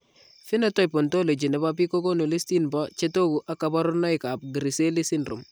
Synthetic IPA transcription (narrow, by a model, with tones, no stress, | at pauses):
fi˦nɔ˦tɔ˦jpo˨nto˦le˨d͡ʒi˨nɛ˨ba˦p̬i˦ko˦ko˦nu˨li˦sti˦nbɔ˦t͡ʃe˦to˦ɡu˨ʔa˦ka˨bɔ˦ɾʊ˦nɔ˦jka˨p̚ɡi˨ɾi˨se˦li˦si˦nrṵ˨m